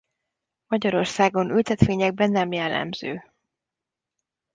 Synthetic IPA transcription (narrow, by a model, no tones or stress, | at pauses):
mɒɟɒɾo̞rsaːɡo̞nylt̪ɛt̪ʋeːɲɛɡ̚bɛnːɛmjɛlːɛ̰mz̥øː